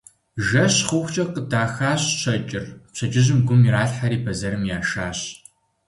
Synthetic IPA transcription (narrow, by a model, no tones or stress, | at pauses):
ʒɐɕχʊxʷt͡ʃʼɐqədaːxaːɕɕɐt͡ʃʼɪrpɕɐd͡ʒɪʑɪmɡʷʊmiɾaːɬħaɾiːpʰɐzɐɾɨmjaːʃaːɕ